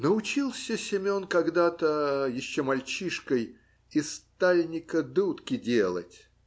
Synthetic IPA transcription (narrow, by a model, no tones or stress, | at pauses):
nəʊt͡ɕilˠsʲəsʲɪmʲo̞nkaɡd̪at̪əjɪɕːomɐlʲt͡ɕiʂkəj | ɪst̪alʲnʲɪkəd̪ut̪kʲɪdʲelˠə̰tʲ